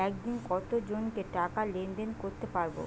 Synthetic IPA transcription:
ɛk̚d̪inkɔt̪od͡ʑonkeʈakalend̪enkoɾt̪epaɾbo̰

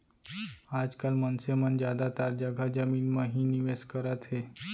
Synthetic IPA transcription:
ad͡ʒkalmənsemənd͡ʒjad̪at̪aɾd͡ʒəɡʱad͡ʒəminmãɦiniʋeskəɾət̪ɦe

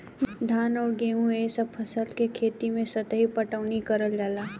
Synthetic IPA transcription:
ɖʱaːnɔːɾɡeːɦũesəbpʰɐsəlkekʰeːt̪imẽsɐt̪əɦipəʈaʊnikəɾəld͡ʒaːlaː

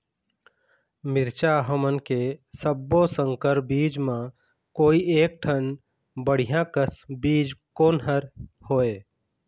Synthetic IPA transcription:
mɪɾt͡ʃaɦəmənkesəbːosə̃ŋkəɾbiːd͡ʒmã | koːieːk̚ʈʰən | bəɽ̤ijãkəsbiːd͡ʒkoːnɦəɾhoːeː

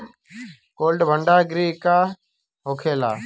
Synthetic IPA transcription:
koːlɖbʱəɳɖaːɡɾiːɪkaː | ɦoːkʰeːla̰ː

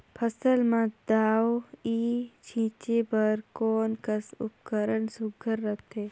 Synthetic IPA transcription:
pʰəsəlmãd̪aːwoiːt͡ʃʰĩːt͡ʃebəɾkɔːnkəsʊp̚kəɾənsʊɡʱəɾːət̪eː

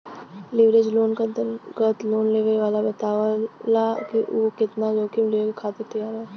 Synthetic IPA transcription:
lɪʋɾed͡ʒloːnkət̪ɡət̪loːnleːʋeʋaːlabət̪aːʋalakiʔuːkɪt̪nad͡ʒoːkimɪleːkkʰaːt̪et̪ɪjaːɾaː

